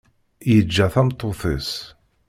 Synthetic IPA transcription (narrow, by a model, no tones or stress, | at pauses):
jəd͡ʒːæθæmt̪ˤːoθis